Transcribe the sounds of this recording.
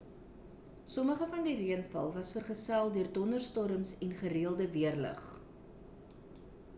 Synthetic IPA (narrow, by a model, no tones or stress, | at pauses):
sɔməχəfɐndiriənfɐ̰lˠvɐsfərχəsælˠdøərdɔnərstɔɾəmsɛnχəɾiəlˠdəviərlə̰χ